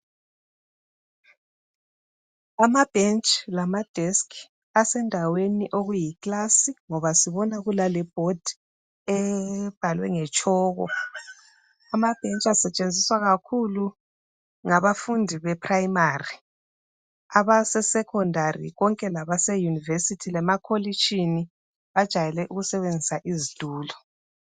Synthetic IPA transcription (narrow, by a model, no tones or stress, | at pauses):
amab̥ʱent͡ʃʼlamad̥ʱeskʰ | asɛndʱaweniʔoɣujikʼlasiŋɔβasiβɔnaɣulalɛb̥ʱod̥ʱi̥ | ɛb̥ʱalwɛ̰ŋɛt͡ʃʼɔːɣɔ̰ | amab̥ʱɛnt͡ʃʼasɛt͡ʃʼend͡zʱiswaɣakʰulu | ŋaβafundʱiβɛpʰʼrajimaːri | aβasɛsɛkʰɔndʱarḭɣɔŋkʼɛlaβasɛjunivesitʰilɛmakʰolit͡ʃʰʼini | βad̥ʒ̥ʱajɛlɛʔuɣusɛβend͡zʱisaʔizid̥ʱuːlɔ